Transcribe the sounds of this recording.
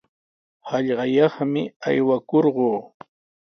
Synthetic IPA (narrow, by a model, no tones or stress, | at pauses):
hɑʎɢɑjɑχmɪajwakoɾɢoː